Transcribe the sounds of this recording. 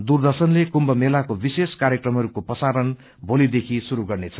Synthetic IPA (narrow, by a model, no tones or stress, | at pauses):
d̪urd̪ʌsʌnlekumbʌmelakobiseskaɾjekrʌmɦʌɾukopʌsaɾʌn | bʱolid̪ekʰisuɾuɡʌrnet͡sʰʌ